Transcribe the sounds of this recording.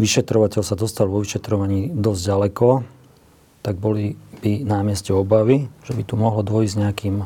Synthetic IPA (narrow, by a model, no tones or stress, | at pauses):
ʋiʃɛt̪ɾɔʋacɛʎsad̪ɔst̪alʋɔʋiʃɛt̪ɾɔʋaɲiːd̪ɔzɟɟalɛkɔ | t̪aɡ̚bɔlib̥inamɪɛscɛɔbaʋiʒ̥ɛbit̪umɔɦlɔd̪ʋɔjizɲɛakiːm